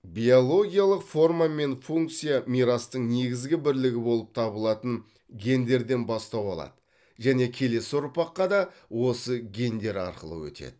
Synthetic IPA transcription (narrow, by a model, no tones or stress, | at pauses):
bijolˠo̞ɡʲijalˠəqfo̞rmame̞nfuŋk̚t̪sijamiɾɑst̪əɴne̞ɡʲɪzɡʲɪbɪɾlɪɡʲɪbo̞lˠəp̚t̪ʰɑβəlˠɑt̪əɴ | ɡʲe̞nd̪e̞ɾd̪e̞nbɑst̪ɑwɑlˠɑ̰d̪̥ə | ʒæne̞kʲʰe̞le̞sɪoɾpɑqːɑd̪ɑ | wo̞səɡʲe̞nd̪e̞ɾɑ̰ɾqəlˠə̰wɵ̰t̪ḛd̪̥ɪ